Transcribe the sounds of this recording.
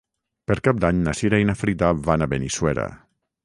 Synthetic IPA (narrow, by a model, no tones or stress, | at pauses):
peɾkap̚d̪aɲnasiɾainafɾit̪aβanaβeniswɛɾa̰